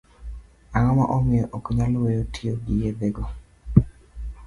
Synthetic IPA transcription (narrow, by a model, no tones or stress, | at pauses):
aŋɔma̰ʔɔmɪjɔʔokɲalwejotʰioɡijedeɡɔ